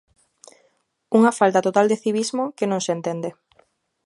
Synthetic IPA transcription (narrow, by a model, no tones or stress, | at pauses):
uŋafalt̪at̪ot̪ald̪eθiβizmokenõŋsent̪end̪e